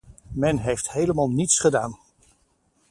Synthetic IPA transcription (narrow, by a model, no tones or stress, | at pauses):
mɛnɦejftɦejləmaːlˠnitsχədaːn